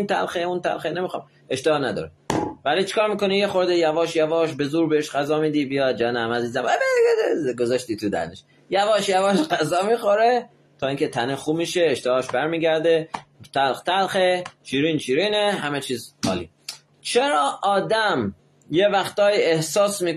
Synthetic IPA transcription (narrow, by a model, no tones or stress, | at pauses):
nt̪ʰæ̰lxeunt̪ʰæ̰lxenemixɑ̰ːm | e̞ʃt̪ehɒːnæd̪ɒ̰ːɾevæliːt͡ʃʰi̥kʰɒːɾmiːko̞nijexo̞ɾd̪ejævɒːʃjævɒːʃbe̞zuːɾbeeʃɢæzɒːmiːd̪ibijɒd̪̚d͡ʒænæmæziːzæmæbeɡozɒʃt̪iːt̪ʰud̪æ̰ɾneʃ | jævɒːʃjævɒːʃɢæzɒːmiːxoɾe | t̪ʰɒːiːŋcʲʰet̪ʰænexuːmiʃeːʃt̪ehɒːʃbæɾmiːɡæɾd̪et̪ʰælxt̪ʰælxet͡ʃʰiːɾiːnt͡ʃʰiːɾiːneɦæmet͡ʃʰiːzhɒ̰ːlḭ | t͡ʃʰeɾɒːʔɒːd̪æm | jevæxt̪ɒːiehsɒːsmiː